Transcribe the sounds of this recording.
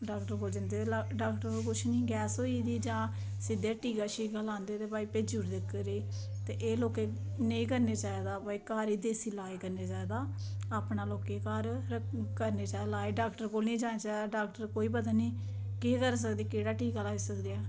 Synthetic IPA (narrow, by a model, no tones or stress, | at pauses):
ɖaːkʈəɾkoːld͡ʒənd̪eːeɖaːkʈəɾokʊt͡ʃʰnĩːɡɛːsoːiːd̪iːd͡ʒãː | sɪd̪eːʈiːkaːʃiːkalãːnd̪eːt̪eːbaːiːpeːd͡ʒuːɽd̪ɪkːəɾeː | t̪eːʔeːloːkeː | neĩːkəɾneːt͡ʃaːed̪aːpaːiːkaːɾiːd̪eːsiːlaːiːkəɾneːt͡ʃaːeːd̪aːaːpnaːloːkeːkaːɾəkəɾneːt͡ʃaːlaːiɖaːkʈəɾkoːlniːd͡ʒãːneːt͡ʃaːed̪aːɖaːkʈəɾkoːiːbəd̪aniː | keːkəɾs̬əkd̪eːkeːɽaːʈiːkaːlaːiːsəkd̪eːɛː